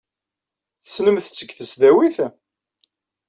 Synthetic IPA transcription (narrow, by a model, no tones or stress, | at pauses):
θəsnəmθt͡sːəɡθəsðæwiθ